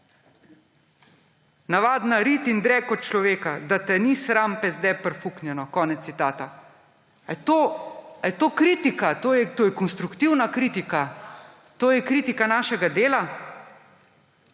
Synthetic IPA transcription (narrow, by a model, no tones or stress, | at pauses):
naʋaːd̪naɾit̪ind̪ɾɛkɔt̪̚t͡ʃlɔʋeːkad̪at̪ɛnisɾampɛzd̪ɛjpɾfuknjɛnɔkɔːnɛt̪it̪aːt̪a | ajt̪oːajt̪oːkɾiːt̪ikat̪oːjɛt̪oːjɛkɔnst̪ɾukt̪iwnakɾit̪ika | t̪oːjɛkɾiːt̪ikanaːʃɛɡad̪eːla